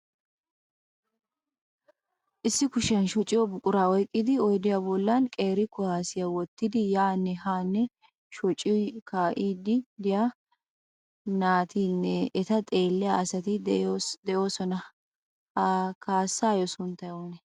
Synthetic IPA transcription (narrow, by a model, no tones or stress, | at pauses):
ʔɪsːɪkʊʃɐnʃɔt͡ʃʼɪjɔbʊkʼʊɾaːwɔjkʼːɪd̪ɪɔjd̪ɪjabɔlːankʼe̞ːɾɪkʊhaːsɪjɐwɔt̪ːɪd̪ɪjaːnːɛhaːnːɛ | ʃɔt͡ʃʼːɪkʰaːʔiːd̪ɪd̪ɪja | naːt̪ʰiːnːɛʔɛt̪ɐt̪ʼe̞ːlːɛjaɐsɐt̪ɪd̪ɛʔo̞ːsɔnɐ | kʰaːsːaːjɔsʊnt̪ɐjonɛ